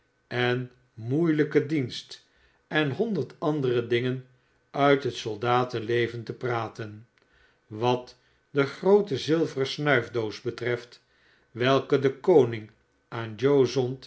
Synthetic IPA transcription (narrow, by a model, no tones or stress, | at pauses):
ɛn | mujləkədinst | ɛnɦɔndəɹtɑndərədɪŋən | œɥtɦətsɔlˠdaːtəlejvəntəpraːtən | ʋɑt | dəχrowtəzɪlˠvərəsnœɥvdowsbətrɛft | ʋɛlˠkədəkownɪŋ | ʔaːnd͡ʒowzɔnt